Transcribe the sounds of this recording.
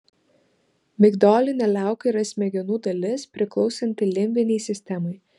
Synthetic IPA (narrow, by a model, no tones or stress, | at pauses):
mʲɪɡd̪oːlʲɪnʲɛlʲæˑʊkɐiɾɐsʲmʲɛɡʲɛnuːd̪ɐlʲɪspʲɾʲɪklˠɔʊsʲɛnʲt̪ʲɪlʲɪmʲʋʲɪnʲɛɪsʲɪsʲt̪ʲɛmɔɪ